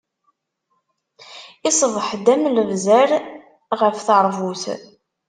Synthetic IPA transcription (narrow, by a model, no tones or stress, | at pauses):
ɪsˤəvˤəħd̪æmləvzæɾ | ʁəfθəɾˤvuθ